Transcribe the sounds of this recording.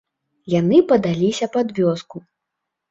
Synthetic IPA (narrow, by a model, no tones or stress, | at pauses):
janɨpɐd̪alʲisʲɐpad̪vʲɔsku